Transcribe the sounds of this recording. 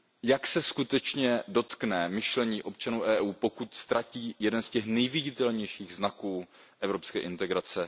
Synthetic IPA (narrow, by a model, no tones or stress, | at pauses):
jaksɛskut̪ɛt͡ʃɲɛdo̞t̪knɛmɪʃlɛɲiːʔo̞pt͡ʃanuːʔɛːʔuːpo̞kut̪st̪ɾaciːjɛdɛnscɛxnɛjvɪɟɪt̪ɛlɲɛjʃiːɣznakuː | ʔɛvɾo̞pskɛːʔɪnt̪ɛɡɾat͡sɛ